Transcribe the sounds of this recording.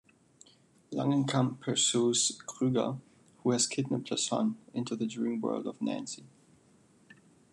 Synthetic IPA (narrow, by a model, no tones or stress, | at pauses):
lʌ̰̃ŋə̃nkʰʌ̃mpʰəsuskʁ̥ʉɡə̰ | huɨz̥kʰɪdⁿn̩əpʰəsɔ̰̃nɪ̃ntʰuðədɹĩmwɜ̰˞lˠdʌvnæ̰̃nsi